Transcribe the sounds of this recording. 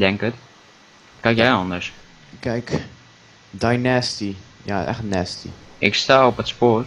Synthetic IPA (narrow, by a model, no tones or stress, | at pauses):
dɛŋkət | kɛjkjɛjɑndəɹs | kɛjk | dajnɛstija̰ɛ̰χtnɛstḭɪkstaːɔpətspoːr